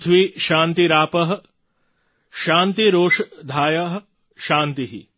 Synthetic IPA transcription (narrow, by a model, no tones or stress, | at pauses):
t̪ʰʋiʃãːnt̪iɾaːpɐɦ | ʃaːnt̪iɾoːʂd̪ʱaːjɐɦ | ʃaːnt̪iɦḭ